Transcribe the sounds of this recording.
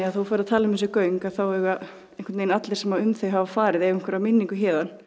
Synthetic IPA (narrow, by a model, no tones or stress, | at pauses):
aθuwfaɾðat̪ʰaːlɪmɪns̬ʏkœːɥŋkaðθawɛɣa | eŋkɪt̪eːjnat̪lɛɾ̥sɛmaʏmθeɣɦavafaːɾɪðɛvɪŋkʰʏɾamɪnːiŋkʏçɛːðan